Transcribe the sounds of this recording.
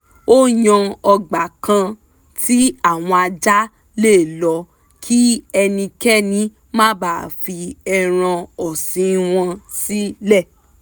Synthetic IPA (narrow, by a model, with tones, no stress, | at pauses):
o˦ɲɔ̃˧ɔ˧ɡ͡ba˨kã˧ | ti˦a˦˨w̃ɔ̃˧a˧d͡ʒa˦ | leː˦˨lɔ˨˦ | kʰi˦ɛ˧nĩ˧kɛ˦nĩ˨˦ | mã˦baː˦˨fi˧ɛ˧ɾ̃ã˧ɔ˨sĩ˨˦w̃ɔ̃˧si˦lɛ˦˨